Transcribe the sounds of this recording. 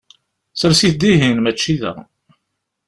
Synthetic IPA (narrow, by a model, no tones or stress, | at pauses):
səɾsiθd̪iɦinmæt͡ʃːiðæ̰